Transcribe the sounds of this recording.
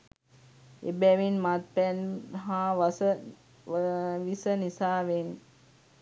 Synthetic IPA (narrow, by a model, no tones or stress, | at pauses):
ḛbɛʋinmat̪̚pɛnɦaːʋsə | ʋisənisaːʋen